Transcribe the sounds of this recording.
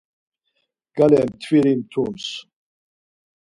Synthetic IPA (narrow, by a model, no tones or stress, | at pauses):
ɡ̥alɛmt̪ʰviɾimt̪ʰums